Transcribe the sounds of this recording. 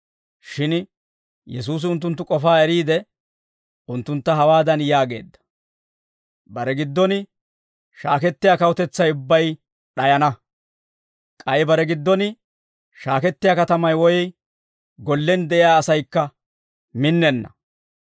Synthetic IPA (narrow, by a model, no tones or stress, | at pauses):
ʃɪn | jɛs̬uːs̬ɪʊnt̪̬ːʊnt̪ːʊkʼɔfaːɛɾiːd̪ɛ | ʊnt̪ːʊnt̪ːɐɦɐwaːd̪ɐnjaːɡe̞ːd̪ːɐ̥ | bɐɾɛɡɪd̪ːɔnɪ | ʃaːkɛt̪ːɪjaːkɐwʊt̪ɛt͡sːɐjʊbːɐj | ɗɐjɐnɐ | kʼɐjɪbɐɾɛɡɪd̪ːɔnɪ | ʃaːkɛt̪ːɪjaːkɐt̪ɐmɐjwɔjɛ | ɡɔlːɛnd̪ɛʔɪjaːsɐjkːɐ | mɪnːɛnːɐ̰